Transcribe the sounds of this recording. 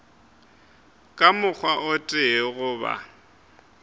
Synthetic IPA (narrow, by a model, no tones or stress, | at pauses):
kʼamʊk͡xʰwaʔʊtʼɪɣʊːba̰